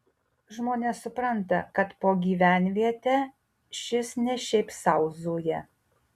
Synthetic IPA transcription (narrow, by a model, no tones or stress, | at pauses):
ʒmoːnʲeːsʊpɾɐnt̪ɐ̰kɐt̪poːɡʲiːʋʲæˑnʲʋʲiɛt̪ʲɛː | ʃʲɪsnʲɛʃʲɛɪpsɐʊzd̪oːjɛ